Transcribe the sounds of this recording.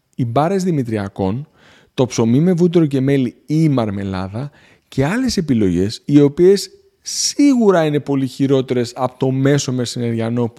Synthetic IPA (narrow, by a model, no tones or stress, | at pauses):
ibɐɾe̞zðimit̪ɾiɐ̰ko̞n | t̪o̞pso̞mime̞vut̪̬eɾo̞ce̞me̞liimɐɾme̞lɐ̰ðɐ | ce̞ɐle̞se̞pilo̞ʝe̞̰sio̞pie̞sː | iɣuɾɐine̞po̞liçiɾo̞t̪e̞ɾe̞sɐpo̥t̪o̞me̞so̞me̞sineɾʝɐno̞p